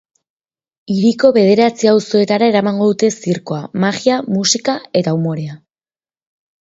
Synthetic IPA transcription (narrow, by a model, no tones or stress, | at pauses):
iɾiko̞βe̞ð̞e̞ɾat͡siawso̞e̞t̪aɾae̞ɾamaŋɡo̞ðut̪e̞siɾko̞amaɣiamusikae̞t̪aumo̞ɾe̞a